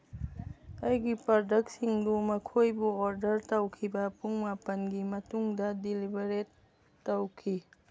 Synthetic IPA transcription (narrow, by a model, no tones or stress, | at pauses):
ɐjɡipɔdɐk̚siŋdumɐkʰojbuɔɾdɐɾtɐwkʰibɐpuŋmapɐnɡimɐtuŋdɐdilibɐɾetː | ɐwkʰi